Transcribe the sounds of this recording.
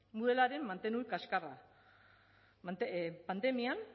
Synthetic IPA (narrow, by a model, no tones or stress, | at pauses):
muðelaɾe̞mːant̪e̞nukaskara̰ | epand̪e̞mian